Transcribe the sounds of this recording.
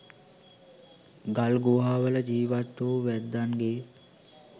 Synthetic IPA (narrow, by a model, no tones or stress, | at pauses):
ɡalɡoːɦaːʋələd͡ʒiːʋat̪ːoːʋæd̪ːanɡe